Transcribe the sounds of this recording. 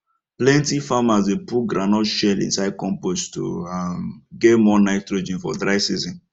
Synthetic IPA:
plɛ̃ntifamazepuɡɾanɔʃɛlḭ̃nsaɪd̚kɔ̃mposto̰amɡemɔnaɪttɾod͡ʒĩnfɔ̰dɾaɪsizɔ̃n

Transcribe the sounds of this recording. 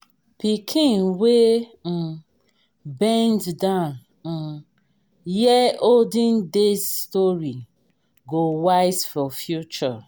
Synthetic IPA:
pikʰĩnwe | bɛ̃nddãʊn̩ | jɛoldĩndesstɔɹi | ɡowaɪsfɔfjut͡ʃɔ

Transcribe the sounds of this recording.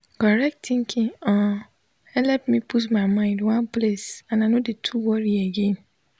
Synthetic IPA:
kɔɹɛk̚ttĩŋkʰĩŋɔ̃ | hɛlɛp̚mĩpʰut̬maɪmãɪ̃ndwãnplesãnaɪnodetʰuwɔɹieɡẽn

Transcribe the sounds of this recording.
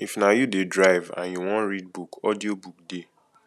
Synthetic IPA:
ifnajudedɹaɪvã̰njuwɔ̃nɹid̚bukɔdiobuk̚de

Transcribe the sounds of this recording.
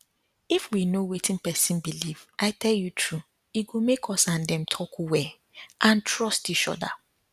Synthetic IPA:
ifwinowetĩnpɛsĩnbiliv̥ʔaɪtʰɛljutʰɹu | iɡomekʰɔsãndɛ̃mtʰɔkʰowɛ | ʔãntʰɹɔstit͡ʃɔ̰da̰

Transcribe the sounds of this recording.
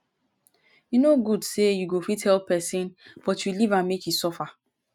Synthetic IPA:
junoɡudsejuɡofithɛlpɛsĩnb̥ɔtjulivãnmekjusɔfa

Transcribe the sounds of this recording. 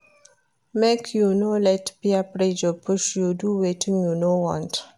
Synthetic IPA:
mekʰjunolɛtbiapɾed͡ʒopʰʊʃjuduwetʰĩŋjunowɔ̰̃nt

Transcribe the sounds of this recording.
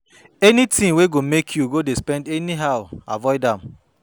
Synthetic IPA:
ɛnitĩweɡomekʰjuɡodespɛ̃ndɛniɦaʊa̰vɔɪdãm

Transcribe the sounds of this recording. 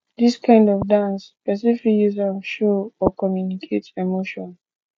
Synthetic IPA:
ðiskʰãɪ̃ndɔvdãnspɛs̬iflijuzãnʃoɔkɔmjunikʰetɛmoʃɔ̃n

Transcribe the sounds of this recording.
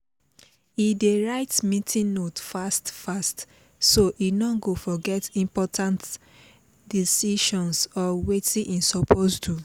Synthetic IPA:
ideɹaɪtmĩtʰĩnnotfastfast | soʔinɔɡofɔɡɛtĩmpɔtʰãnt | disiʃɔ̃nsɔwetĩʔĩnsɔpʰostʰu

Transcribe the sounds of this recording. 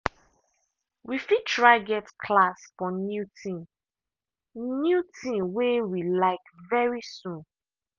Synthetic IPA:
wifid̚tʰɹaɡɛtkʰlasfɔnjutʰĩm | njutʰĩmwewilaɪkvɛɹisũn

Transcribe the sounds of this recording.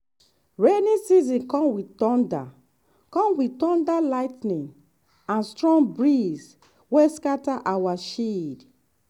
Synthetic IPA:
ɹenĩsizĩnkɔ̃mwitɔ̃nda̰ | kɔ̃mwitɔ̃ndalajtnĩn | ãnstɹɔ̃ŋbɹiz | weskataʔawaʃid

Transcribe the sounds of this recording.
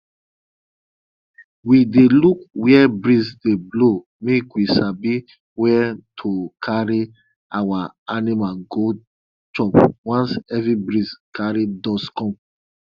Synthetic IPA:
widelukwiɛbɹisdeblo | mekwisabi | wɛtʰokʰaɹi | awaanimaɡo | t͡ʃɔpwɔ̃nsɛvɹibɹiskʰaɹidɔskɔ̃m

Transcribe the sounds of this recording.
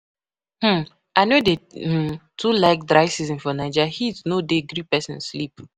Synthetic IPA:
hm̩ | ʔaɪnode | tʰulaɪk̚dɹaɪsizĩnfɔnaɪd͡ʒahiznodeɡɾipɛsɛ̃nslip

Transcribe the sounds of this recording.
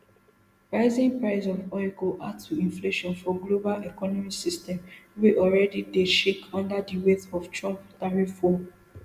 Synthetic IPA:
pɹaɪzĩnpɹaɪsɔvɔkɔʔatʰuĩnfleʃɔ̃nfɔɡlobalɛkɔnɔmisistɛ̃mweʔɔlɹɛdideʃekɔ̃ndadiwetɔft͡ʃɹɔ̃mptaɹifɔ

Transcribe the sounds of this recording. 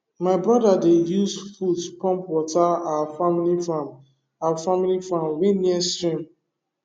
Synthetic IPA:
maɪbɹɔdadejuzfutpɔ̃mpwɔtaafamilifãm | afamilifãmwẽniɛ̃nstɹĩm

